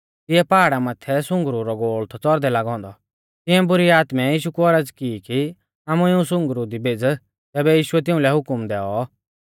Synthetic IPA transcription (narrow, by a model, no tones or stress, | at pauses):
t̪ɪjɛpaːɽamat̪ʰɛsʊ̃ŋɡɾuɾɔɡoːɭt̪ʰt͡sɔɾd̪ɛlaɡɔ̃ːnd̪ɔ | t̪ɪɛ̃bʊɾiaːt̪mɛ̃jiːʃukuɐɾəd͡zkiːki | aːmuɪũsʊ̃ŋɡɾud̪ibʱed͡z | t̪ɛːbɛjiːʃuɛt̪̬ɪʊ̃lɛɦʊkmd̪ɛːɔ